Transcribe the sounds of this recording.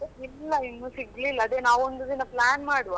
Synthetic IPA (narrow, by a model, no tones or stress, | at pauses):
ilːɐinːusiɡlilːɐːd̪eːnaːʋond̪ud̪inɐplaːnmaːɽuʋa